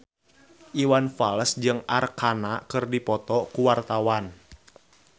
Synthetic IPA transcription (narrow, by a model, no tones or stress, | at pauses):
ʔiwanfaləsd͡ʒɨŋʔarkʰanakɨrdipɔt̪ɔkuwart̪awan